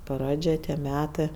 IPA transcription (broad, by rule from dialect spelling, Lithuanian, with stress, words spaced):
ˈprɑːd͡ʒʲɛ tʲiɛ ˈmʲæːtɜ